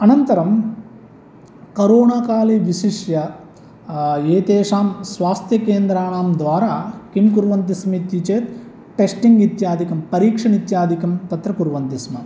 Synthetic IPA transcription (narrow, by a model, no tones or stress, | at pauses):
ɐnɐnt̪ɐɾɐm | kɐɾoːɳaːkaːleʋiʃiʂjɐ | eːt̪eːʂaːmsʋaːst̪jɐkeːnd̪ɾaːɳaːmd̪ʋaːɾaːkimkuɾʋɐnt̪ismit̪ːit͡ʃeːt̪ | ʈesʈiŋɡit̪jaːd̪ʱikɐmpɐɾiːkʂɐɳit̪jaːd̪ʱikɐmt̪ɐt̪ɾɐkuɾʋɐnt̪ismɐ